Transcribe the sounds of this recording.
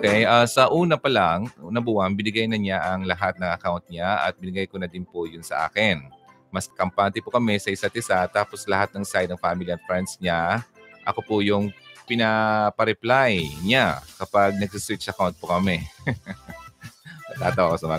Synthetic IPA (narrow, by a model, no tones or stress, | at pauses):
okɛjʔasɐʔuːnɐpɐlaŋnɐbuːɐnbɪnɪɡajnɐɲaʔɐŋlɐɦat̪̚nɐŋɐkawnt̪̚ɲaʔɐ̰t̪̚bɪnɪɡajkonɐd̪ɪnpojʊnsɐ̰ʔa̰ːkɪn | mɐskɐmpaːnt̪ɪpokɐmɛsɐʔɪsat̪ɪsat̪aːposlɐhat̪̚nɐŋsajd̪ɐŋfaːmɪliɐnfɾɛnsɲaʔɐko̞pʊjʊŋpɪnapɐɾɛplajɲakɐpaɡ̚nɐɡ̚sɪswɪt͡ʃːɐkawnt̪̚pokɐmɛ | mɐɡ̚t̪aːt̪ɐwɐkosɐmɐ